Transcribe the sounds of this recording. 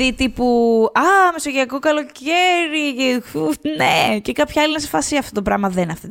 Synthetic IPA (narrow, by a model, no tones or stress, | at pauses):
it̪ipuɐmesoʝiɐko̞kɐlo̞ceɾiʝexunecekɐpçɐɐlinɐsefɐsiɐft̪o̞t̪o̞pɾɐ̰mɐðenɐft̪e